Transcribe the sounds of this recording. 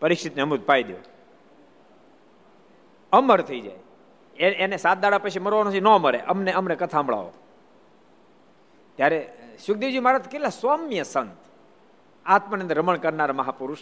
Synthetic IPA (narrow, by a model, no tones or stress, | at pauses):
pəɾikʂit̪neəmud̪̚pajd̪jo̰ | əməɾt̪ʰəid͡ʒa̰e | eenesat̪̚d̪aɽapəʃiməɾʋanõinõməɾḛʔəmneəmnekət̪ʰãmbɭa̰ʋo̰ | t̪jaɾeʃʊk̚d̪id͡ʒiumaɾat̪ʰkelasamjəsənt̪ | at̪mənẽnd̪əɾəməɳkəɾnaɾməɦapuɾuʃ